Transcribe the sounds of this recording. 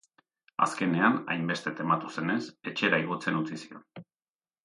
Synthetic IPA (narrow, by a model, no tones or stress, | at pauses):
a̰ske̞ne̞ana̰jmbe̞st̪e̞t̪e̞mat̪use̞ne̞se̞t͡ʃe̞ɾaiɣot͡se̞nut͡sisio̞n